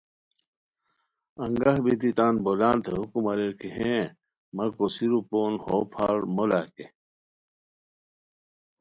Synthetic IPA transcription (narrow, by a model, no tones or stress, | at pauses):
ɐŋɡɐhbit̪it̪aːnbolaːnt̪ʰeɦukumɐɾeɾkiɦẽ | mɐkosiɾupoːnhopʰa̰ːɾmolaːke